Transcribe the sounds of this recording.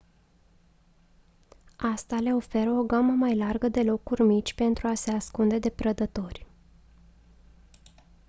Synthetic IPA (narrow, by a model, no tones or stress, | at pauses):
ast̪ale̞o̞fe̞ɾəo̞ɡaməmajlarɡəd̪e̞lo̞kurʲmit͡ʃʲpe̞nt̪ɾuase̞askund̪e̞d̪e̞pɾəd̪ət̪o̞rʲ